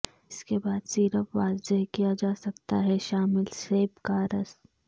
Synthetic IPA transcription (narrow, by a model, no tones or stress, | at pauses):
ɪskebaːd̪siːɾəpʋaːɾzəɦkijad͡ʒaːsɐkt̪aɦɛʃaːmɪlseːbkaːɾəst̪